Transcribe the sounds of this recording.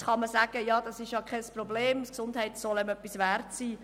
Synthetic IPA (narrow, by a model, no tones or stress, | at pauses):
χɑməsæːɡ̥əjɑːd̥ɑsɪʃjɑkχɛsprɔbleːmsksʊndhɛɪtsɔlɛmœpːisʋæːrtsiː